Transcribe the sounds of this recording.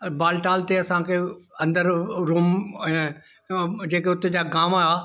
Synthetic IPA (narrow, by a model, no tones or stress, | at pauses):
baːlʈaːlt̪eɐsãkʰeɐ̃nd̪əɾɾuːm̃ | d͡ʑeːkeʊt̪ed͡ʑaːɡaːmaaː